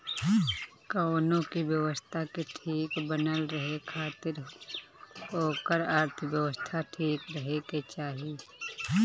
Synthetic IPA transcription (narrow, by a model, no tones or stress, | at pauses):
koːnõkiwjəʋəst̪ʰakeʈʰiːkbənəlɾəɦekʰaːt̪ɪɾ | ɦoːkəɾaːɾt̪ʰəʋjəʋəst̪ʰaʈʰiːkɾəɦeket͡ʃaːɦi